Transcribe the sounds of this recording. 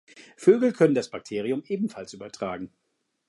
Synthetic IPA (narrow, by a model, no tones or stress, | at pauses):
føːɡl̩kʰœnəndasb̥ak̚tʰeːʁ̞iʊmʔeːbm̩falsʔyːbɐtʁ̥aːɡŋ̩